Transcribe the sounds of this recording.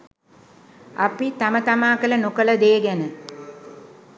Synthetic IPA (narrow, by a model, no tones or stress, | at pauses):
a̰pit̪amət̪amaːkələnokələd̪eːɡænə